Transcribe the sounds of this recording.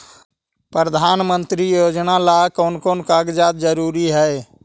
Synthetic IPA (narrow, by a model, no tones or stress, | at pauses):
pɾəd̪ʱaːnmənt̪ɾijod͡ʒnalakəʊnkonkaɡd͡ʒad̪d͡ʒəɾuɾiɦɛj